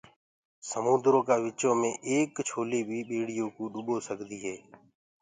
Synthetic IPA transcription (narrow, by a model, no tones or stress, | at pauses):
səmũːd̪ɾoːkaːʋɪt͡ʃõːmẽːʔeːkt͡ʃʰoːleːbʱiːɓeːɽɪjõːkõːɗʊɓoːsəɡd̪iːɦɛː